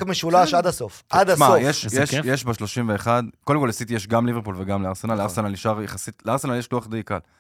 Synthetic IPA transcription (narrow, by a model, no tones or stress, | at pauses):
kmeʃulaʃad̪asofad̪aʃmaojeʃjeʃjeʃbaʃlo̞ʃimveːχad̪kodemkoljasit̪ijeʃɡamliveʁpulveɡamleaʁsenalaʁsenaliʃaʁjeχasitleaʁsenaljeʃluaχd̪ejka̰l